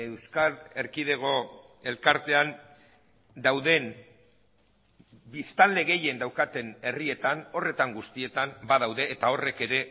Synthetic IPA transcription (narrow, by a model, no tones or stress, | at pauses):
ewskaɾe̞ɾkið̞e̞ɣo̞ | e̞lkaɾt̪e̞an | d̪awðe̞n | bist̪alde̞ɣe̞je̞nd̪awkat̪e̞ne̞rie̞t̪ano̞re̞t̪aŋɡust̪ie̞t̪ambaðawðe̞ːt̪ao̞re̞ke̞ɾe̞